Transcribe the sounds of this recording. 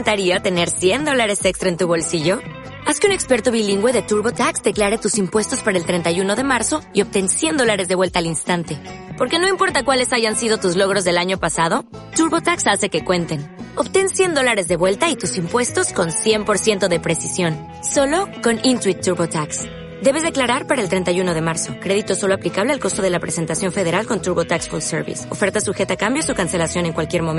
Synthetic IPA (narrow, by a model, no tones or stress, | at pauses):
nt̪aɾiaot̪e̞ne̞ɾsje̞nd̪o̞laɾe̞sekst̪ɾae̞nt̪uβo̞lsiʝo̞ | askeune̞kspe̞ɾt̪o̞βiliŋɡwe̞ðe̞t̪uɾβo̞t̪aksd̪e̞klaɾe̞t̪usimpwe̞st̪o̞spaɾaelt̪ɾe̞nt̪ajuno̞ðe̞maɾso̞io̞p̚t̪e̞nsje̞nd̪o̞laɾe̞zðe̞βwe̞lt̪aːlinst̪ant̪e̞po̞ɾke̞no̞impo̞ɾt̪akwale̞saʝansiðo̞t̪uzlo̞ɣ̞ɾo̞zðe̞laɲo̞pasað̞o̞ | t̪uɾβo̞t̪aksase̞ke̞kwe̞nt̪e̞no̞βt̪e̞nsje̞nd̪o̞laɾe̞zðe̞βwe̞lt̪ait̪usimpwe̞st̪o̞sko̞nsje̞mpo̞ɾsje̞nt̪o̞ðe̞pɾe̞sisjo̞n | so̞lo̞ko̞nint̪ɾwit̪ːuɾβot̪aks | d̪e̞β̞e̞zðeklaɾaɾpaɾaelt̪ɾe̞nt̪ajuno̞ð̞e̞maɾso̞kɾe̞ðit̪oso̞lo̞aplikaβlealko̞st̪o̞ð̞e̞lapɾe̞se̞nt̪asjo̞ɱfe̞ðe̞ɾalko̞nt̪uɾβo̞t̪aksfolseɾβḭso̞fe̞ɾt̪asuxe̞t̪akambjosukanse̞lasjo̞ne̞ŋkwalkje̞ɾmom